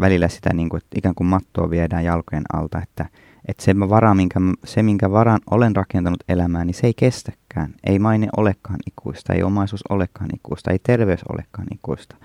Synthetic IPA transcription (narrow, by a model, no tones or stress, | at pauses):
ʋælilːæsi̥t̪æ̰niːŋkuet̪ːikæːŋkummɑt̪ːo̰ːʋiedæːjɑlkojenɑ̰lt̪ɑet̪ːæ | ʔet̪semæʋɑɾɑmiŋkæmsemiŋkæʋɑrɑnʔolenrɑkent̪ɑnut̪elæmæːniseeikest̪æ̥kːæːnḛimɑinḛʔo̰lekːɑːnikʰṵist̪ɑḛiomɑisuːso̰lekːɑːnḭkuist̪ɑeit̪erʋeyso̰lḛkːɑ̰ːnḭkuist̪ɑ̥